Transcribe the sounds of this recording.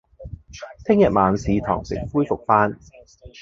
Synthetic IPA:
t̪ʰɪ˥ŋjɐ˨t̚maː˨˧nsiː˨˧t̪ʰɔ̰ː˨˩ŋsɪ̰˨˩ŋfuː˥jfʊ˨k̚faː˥n

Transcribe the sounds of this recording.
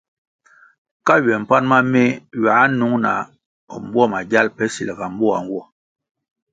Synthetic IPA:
ka˦ɥɛ˨m̩˨pa˦nma˦me˦ɥa˨˦nu˨˦ŋna̰˨ | ɔ˨m̩˦bwɔ˦ma˨ɟa˦lpɛ˦si˨lɡa˨m̩˦bɔ˦a̰˨ŋ˦ɡwɔ˦

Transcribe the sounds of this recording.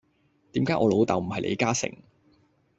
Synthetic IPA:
t̪iː˨˥mkaː˨˥jʔɔː˨˧lo˨˧wt̪ɐ˨wm̩˨˩hɐ˨jlʔḛ˨˧jkaː˥sɪ̰˨˩ŋ

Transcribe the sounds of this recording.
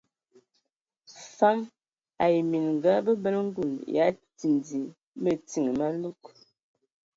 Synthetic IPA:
fa˦m | a˨ji˨mi˨nŋ˨ɡa˦bə˦bə˦lŋ̩˦ɡu˨nja˨˦ti˨ndi˨ | mə˦ti˦˨ŋə˨ma˦n˦u˦k̚

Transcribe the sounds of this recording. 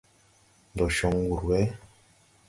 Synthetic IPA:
n˨dɔ˨ʃɔ˨ŋ˦wu˨ɾwɛ˦

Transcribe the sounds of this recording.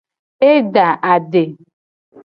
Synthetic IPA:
e˦da˨ʔa˨dɪ˨

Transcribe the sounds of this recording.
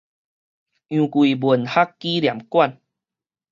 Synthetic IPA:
ʔjũ˨kwi˨˩bwu˨˩nha˦kːi˦lja˨˩mkwa˥˨n

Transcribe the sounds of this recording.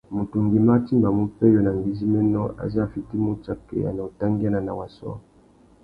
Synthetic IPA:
mo˨tu˨ŋɡi˨ma˦ti˦mba˨mu˦pɛ˦jo˦na˨ŋɡi˨zi˦mɛ˦nɔ˦a̰˨za˦˨fi˨ti˦mo˦t͡ʃa˨kɛ̰˦˨a̰˨na˨o˨ta˦ŋɡi˦a˦na˨na˨wa˨sɔ̰˦

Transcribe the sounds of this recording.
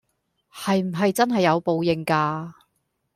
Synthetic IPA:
hɐ˨jm̩˨˩ɦɐ˨jt͡sɐ˥nɦɐ˨jːɐ˨˧wpo˨˧wjɪ˨˩ŋkaː˧

